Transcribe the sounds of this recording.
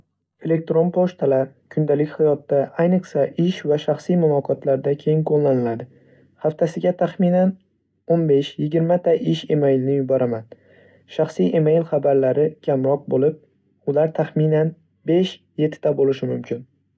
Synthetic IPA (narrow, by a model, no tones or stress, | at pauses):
e̞le̞k̚t̪ɾo̞npʰoʃt̪ʰalaɾ | kʰʊnd̪alɪkʲhajɒt̪ːaʔajnɨqɨ̥saʔɪʃvaʃaχsijmʊlˠɒqʰɒt̪ʰlaɾd̪akʲʰejɪŋqʰolˠːanɪlad̪ɪ | haft̪ʰasɪɡʲat̪ʰaχminan | onbe̞ʃjɪɡʲɪɾmat̪ʰaʔɪʃe̞mejlnɪjʊbɒɾʔaman | ʃaχsijʔemejlχabaɾlaɾɪkʲʰamɾɒq̚bolˠɪp̚ | ʊlaɾt̪ʰaχminan | be̞ʃ | je̞t̪ʰːɪ̥t̪ʰabolɪʃɪmʊmkʲʰɪn